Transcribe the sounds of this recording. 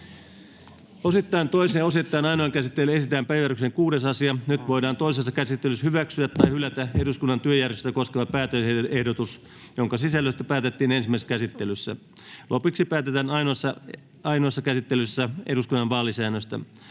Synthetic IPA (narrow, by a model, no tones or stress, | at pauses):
osit̪ːɑint̪oiseːosit̪ːɑːnɑinoɑŋkæsit̪ːelːæesit̪æːmpæjærykseŋkuːdesɑsiɑnyt̪ʋoidɑːnt̪oisesːɑkæsit̪ːelyshyʋæksyæt̪ːɑihylæt̪æeduskunːɑnt̪yøjærʋest̪æko̞skeʋɑpæːt̪øeehdot̪us | joŋkɑsisælːøist̪æpæːt̪et̪ːiːnensimːæˑise̥skæsit̪ːelysːæ̰ | lʔopiksipæːt̪et̪ænɑinoɑsːɑ | ɑinoɑsːɑkæsit̪ːelysːæeduskunːɑnʋɑːlisæːnøsʲt̪æ̰